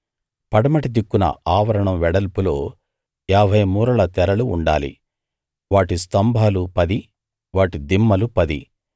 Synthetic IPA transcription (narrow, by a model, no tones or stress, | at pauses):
pɐɽɐmɐʈid̪ikːunɐ̰aːʋɐɾɐɳɐmʋɛɽɐlpulo̞ː | ɛːbʱɐjɐmuːɾɐlɐt̪ɛɾɐlṵːɳɖa̰ːlḭ | ʋaːʈist̪ɐmbʱaːlupɐd̪i | ʋaːʈid̪imːɐlupɐd̪i